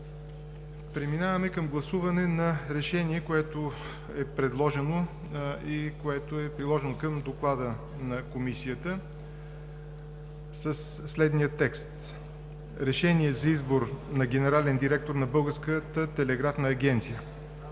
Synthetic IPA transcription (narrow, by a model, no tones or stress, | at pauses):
pɾɛminavɐmɛkəmɡlˠɐsuvɐnɛnɐɾɛʃɛniɛkoɛt̪o | ɛpɾɛd̪lˠɔʒɛno | ikoɛt̪oɛpɾilˠɔʒɛnokəmd̪oklˠad̪ə | nɐkomisijət̪ə | səsːlɛd̪nijət̪ɛkst̪ | ɾɛʃɛniɛzɐizboɾnɐɡʲɛnɛɾalɛnd̪iɾɛk̚t̪oɾnɐbɤlˠɡəɾskət̪ət̪ɛlɛɡɾafnəːɡʲɛnt̪sijə